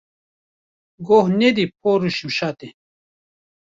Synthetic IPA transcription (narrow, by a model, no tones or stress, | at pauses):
ɡohned̪ip̚ʰoːɾuɕimɕaːt̪e